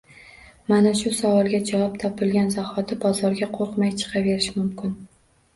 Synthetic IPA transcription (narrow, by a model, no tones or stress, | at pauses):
manaʃʊsavɒlˠɡʲad͡ʒavɒpt̪ʰɒpʰɪlɡʲanzahɒd̪ɪbɒzɒɾɡʲaqʰoɾqmajt͡ʃʰɨ̥qʰɑve̞ɾɪʃmʊmkʲʰɪn